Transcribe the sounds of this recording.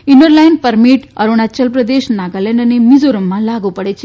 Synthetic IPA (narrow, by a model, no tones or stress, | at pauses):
inəɾlajnpəɾmiʈɐ̰ɾuɳ̃at͡ɕɐlpɾɐd̪eɕnaɡalẽnənimid͡zoɾumːalaɡupəɽet͡ɕ